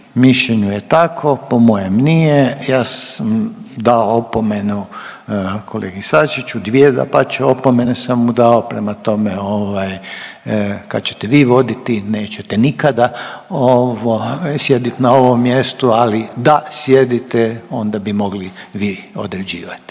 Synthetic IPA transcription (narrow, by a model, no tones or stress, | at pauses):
miʃʎeɲujet̪akʰo̞pomojemnijejaːsamd̪aoopomenu | kʰoleːɡisaʃit͡ʃud̪ʋied̪a̰pat͡ʃeopomenesamːud̪ao̞pɾemat̪o̞meoʋaj | kat̪̚t͡ɕe̥t̪eʋiːʋo̞d̪it̪ine̞ːt͡ɕet̪enikad̪aoʋosje̞d̪it̪nao̞ʋomːjest̪ualid̪asjed̪it̪ɛo̞nd̪abimo̞ɡliʋiːo̞̰d̪ɾed͡ʑiːʋat̪i̥